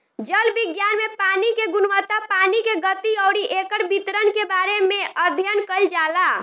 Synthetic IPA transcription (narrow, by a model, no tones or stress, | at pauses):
d͡ʒəlbiɡjanmepanikeɡunʋət̪apanikeɡət̪iɔʊɽiʔekəɾbit̪ɾənkebaɾemeəd̪ʱjənkəld͡ʒala